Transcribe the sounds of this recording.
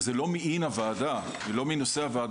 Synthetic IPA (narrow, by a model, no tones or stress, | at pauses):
zelo̞miʔinavaːd̪a | milo̞mino̞se̞havaːd